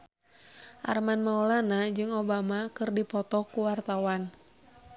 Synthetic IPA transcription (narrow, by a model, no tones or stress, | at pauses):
ʔa̰rmanmaolanad͡ʒɨŋobamakɨrdipɔt̪ɔkuwart̪awan